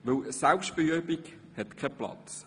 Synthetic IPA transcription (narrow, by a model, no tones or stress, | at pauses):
ʋɪlsɛlpʃtb̥eøbik | hɛt̪kʰɛplɑ̰t͡s